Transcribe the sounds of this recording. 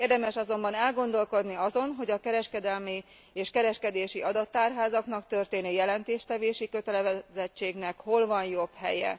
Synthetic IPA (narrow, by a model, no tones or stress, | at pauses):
eːrd̪ɛmɛʃɒzo̞mbɒnɛlɡo̞nd̪o̞lko̞d̪niɒzo̞nɦo̞ɟɒkɛɾɛʃkɛd̪ɛlmi | eːʃkɛɾɛʃkɛd̪eːʃiʔɒd̪ɒt̪ːaːrɦaːzɒkn̪ɒkt̪ø̞rt̪eːnijɛlɛnt̪eːʃt̪ɛveːʃikø̞t̪ɛlɛvɛzɛt͡ʃːeːɡnɛkho̞lvɒnjo̞bhɛ̰jɛ̰